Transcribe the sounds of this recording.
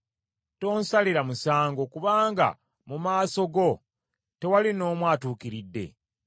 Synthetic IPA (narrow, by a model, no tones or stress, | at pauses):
to̞ːnsaliɾamusaːŋɡo̞kuβaːŋɡa̰ | mumaːso̞ɡo̞ | te̞walino̞ːmwaːtuːkiɾidːe̞̰